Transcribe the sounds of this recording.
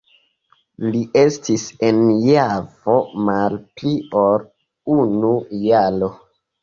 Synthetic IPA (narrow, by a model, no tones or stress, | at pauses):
liʔe̞stisenjavo̞malplio̞ɾ | unujalo̞